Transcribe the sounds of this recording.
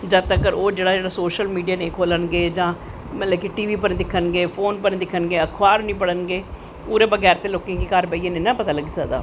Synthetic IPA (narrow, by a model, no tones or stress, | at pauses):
d͡ʒət̪əkəɾoːd͡ʒeːɽaːd͡ʒeːɽaːsoːʃəlmiːɖijaːneːkʰoːlənɡeːd͡ʒãː | mət̪ləbkiʈiːʋiːpəɾd̪ɪkʰːənɡeːpʰoːnpənːd̪ɪkʰːənɡeːəkʰʋaːɾnĩːpəɽənɡeː | puːɾeːbəɡɛːɾt̪eːloːkẽːkikəɾpəiːeːneːnãːpət̪aːləɡiːsəkd̪a̰ː